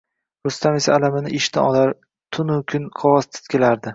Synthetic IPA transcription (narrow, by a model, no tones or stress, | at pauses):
ɾʊst̪ʰamesaːlamɪnɪʔɪʃt̪a̰ɒlaɾ | t̪ʰʊnʊkʲʰʊnqʰɒwɒst̪ʰɪ̥t̪kʲʰelaɾd̪ɪ